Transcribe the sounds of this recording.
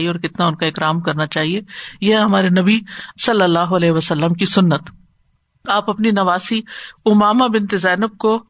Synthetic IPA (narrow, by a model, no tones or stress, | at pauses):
ieɔːɾkɪt̪naʊnkaɪkɾaːmkɐɾnat͡ʃaːɦiejeɦɦɐmaːɾenɐbisɐlːəlːaːɦoɐlɛːɦʋɐsɐlːəmkisʊnːət̪ | aːpɐpninɐʋaːsiʊmaːmabɪnt̪ɪzɛːnɪb̚ko